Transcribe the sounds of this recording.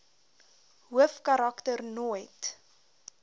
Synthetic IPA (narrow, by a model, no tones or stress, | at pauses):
ɦuəfkɐɾɑktərnuəjt